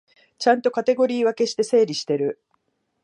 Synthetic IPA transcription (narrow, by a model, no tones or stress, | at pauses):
t͡ɕãnt̪o̞kat̪e̞ɡo̞ɾʲiːβake̞ɕi̥t̪e̞se̞ːɾʲiɕi̥t̪e̞ɾɯ̟